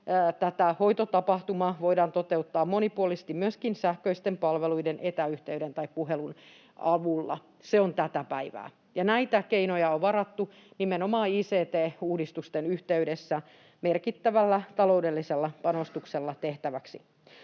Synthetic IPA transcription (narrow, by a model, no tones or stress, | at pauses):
t̪æt̪æhoit̪ot̪ɑpɑht̪umɑːʋoidɑːnt̪ot̪eut̪ːɑːmmonipuolise̥st̪immyøskinsæhkøist̪empɑlʋeluidenʔet̪æyht̪eyɾent̪ɑippuɦelun | ɑʋulːɑ̰ | seont̪æt̪æpæiʋæ̰ː | jɑnæit̪ækeinojɑoʋʋɑɾɑt̪ːu | nimenomɑːiːseːt̪eːuːdist̪ust̪enyht̪eydesːæ | merkit̪ːæʋælːæt̪ɑloudelːiselːɑpɑnost̪ukselːɑt̪eht̪æʋæksi